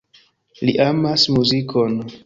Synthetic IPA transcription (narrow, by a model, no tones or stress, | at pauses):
liʔamasmuziko̞n